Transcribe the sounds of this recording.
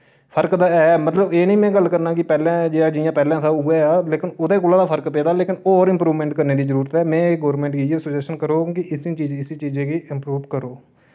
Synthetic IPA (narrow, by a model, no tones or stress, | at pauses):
pʰəɾkd̪aːɛːmət̪ləbeːnəĩːmɛ̃ːɡəlkəɾnaːkɪpɛːlɛ̃ːd͡ʒeːaːd͡ʒɪjãːpɛːlɛ̃ːsaːʊɡeːaːleːkɪnʊd̪eːkoːlãːd̪aːpʰəɾkpeːd̪aːleːkɪnɔːɾɪ̃mpɾuːʋmɛ̃ːɳʈkəɾneːd̪iːzəɾuːɾət̪ɛːmɛ̃ːɡoːɾmɛ̃ɳʈkieːsəd͡ʒɛːsənkəɾoːkɪʔɪst͡ʃiːd͡ʒɪsiːt͡ʃiːd͡ʒẽːkiʔɪmpɾuːʋkəɾoː